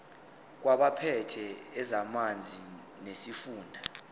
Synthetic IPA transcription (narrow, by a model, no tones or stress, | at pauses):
k̬waɓapʰɛtʰɛːzamand͡zʱi | nesifuːndʱa